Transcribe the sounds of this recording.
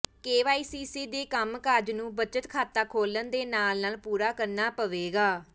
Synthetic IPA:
keːʋaːiːsiːsiːd̪eːkəmkaːd͡ʒnũːbət͡ʃət̪kʰaːt̪aːkʰoːlənd̪eːnaːlnaːlpuːɾaːkəɾnaːpəʋeːɡaː

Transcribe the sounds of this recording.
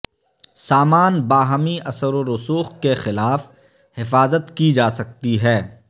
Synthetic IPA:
saːmaːnbaːɦmiʔɐsəɾoɾʊsuːxkexɪlaːf | hɪfaːzət̪kid͡ʒaːsɐk̚t̪iɦɛː

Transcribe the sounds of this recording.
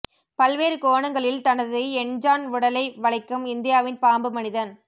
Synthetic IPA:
pɐlʋeːɾɯkoːɳɐŋɡɐɭɪlt̪ɐnɐðɯɛnd͡ʒaːnʊɽɐlɐɪʋɐɭɐɪkːɯmɪnd̪ɪjaːʋɪnpaːmbɯmɐnɪðɐn

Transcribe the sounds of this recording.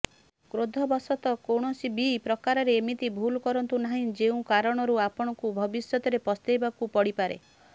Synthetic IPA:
kɾod̪ʱɔbɔsɔt̪ɔkoɽ̃ɔsibipɾɔkaɾɔɾeːmit̪ibʱulkɔɾɔnt̪unaɦĩd͡ʒeũkaɾɔɽ̃ɔɾuapɔɽ̃ɔkubʱɔbisjɔt̪ɔɾepɔst̪ajbakupɔɽipaɾḛ

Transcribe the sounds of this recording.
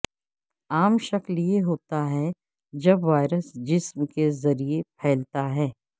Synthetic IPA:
aːmʃɐklieɦoːt̪aɦɛ | d͡ʒɐbʋaːɪɾəsd͡ʒɪsmkezɐɾiepʰɛːlt̪aɦɛː

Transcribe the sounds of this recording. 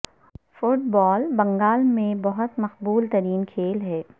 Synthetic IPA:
fʊʈ̚bɔːlbɐ̃ŋɡaːlmẽbɐɦʊt̪mɐqbuːlt̪ɐɾiːnkʰeːlɦɛː

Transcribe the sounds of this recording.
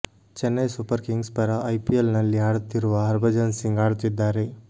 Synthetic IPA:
t͡ʃenːɐjsupəɾkiŋɡspɐɾaʔːjpielnɐliɦaɽt̪ʰiɾʋaɦɐɾbɐd͡ʒɐnsiŋɡaɾt̪id̪aɾe

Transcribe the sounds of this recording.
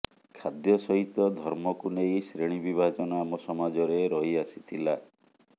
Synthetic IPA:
kʰad̪jɔsɔɦit̪ɔd̪ʱɔɾmɔkunejsɾeɽ̃ibibʱad͡ʒɔnamɔsɔmad͡ʒɔɾeɾɔɦiasi̥t̪ʰila

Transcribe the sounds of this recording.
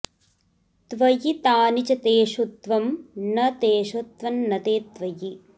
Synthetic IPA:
t̪ʋɐjit̪aːnit͡ʃɐt̪eːʃut̪ʋɐmnɐt̪eːʃut̪ʋɐnːɐt̪eːt̪ʋɐji

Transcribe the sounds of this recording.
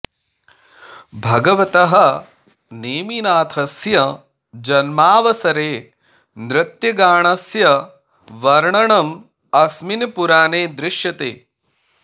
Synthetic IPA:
bʱɐɡɐʋɐt̪ɐɦɐ | neːminaːt̪ʰɐsjɐ | d͡ʒɐnmaːʋɐsɐɾeː | nɾɪt̪jɐɡaːɳɐsjɐ | ʋɐɾɳɐɳɐm | ɐsminɐpuɾaːneːd̪ɾɪʂjɐt̪eː

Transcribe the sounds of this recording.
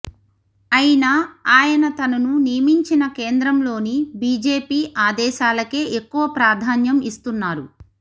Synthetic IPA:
ɐjinaaːjɐnɐt̪ɐnɐnunijɐmiɲt͡ʃinɐkeːnd̪ɾɐmlo̞ːnibiːd͡ʒe̞ːpiːʔaːd̪ɛːʃaːlɐke̞ːʔekːuʋɐpɾaːd̪ʱaːnjɐmist̪unːaːɾu

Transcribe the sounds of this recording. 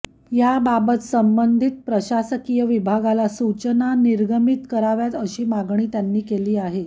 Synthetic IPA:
jababət̪səmbənd̪ʱit̪̚pɾəɕasəkijəʋibʱaɡalasut͡ɕənaniɾɡəmit̪kəɾaʋjat̪əɕiːmaɡɳiːt̪janːiːkeliːaɦe

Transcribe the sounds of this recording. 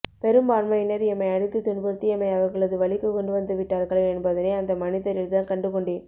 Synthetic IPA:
pɛɾɯmbaːɾmɐɪnːɐɾɛmːɐɪɐɽɯt̪ːɯt̪ʊnbɐɾt̪ːiɛmːɐɪɐʋɐɾɣɐɭɐðɯʋɐɭɪkːɯkɔɳɖɯʋɐnd̪ɯʋɪʈːaːɾɣɐɭɐɛnbɐðɯneːɐnd̪ɐmɐnɪðɐɾɪlt̪aːnkɐɳɖɯkɔɳɖiː

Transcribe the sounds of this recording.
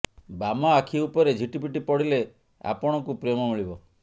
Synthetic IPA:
bamɔakʰiupɔɾed͡ʒʱiʈip̬iʈipɔɽile | a̰pɔɽ̃ɔkupɾemɔmiɭibɔ

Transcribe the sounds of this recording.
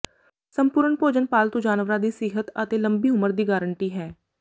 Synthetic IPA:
səmpuːɾəɳpoːd͡ʒənpaːlt̪õːd͡ʒaːnʋɾad̪iːsɪɦət̪ət̪eːləmbiːʊməɾd̪iːɡaːɾəɳʈiːɦɛː

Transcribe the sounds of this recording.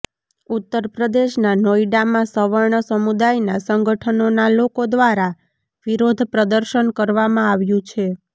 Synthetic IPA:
ut̪ːəɾpɾəd̪eʃnanoiɖamãsəʋəɾɳəsəmud̪ajnasəŋɡʱəʈʰənonalokod̪ʋaɾa | ʋiɾod̪ʱpɾəd̪əɾʃənkəɾʋamãaʋjũt͡ʃʰe

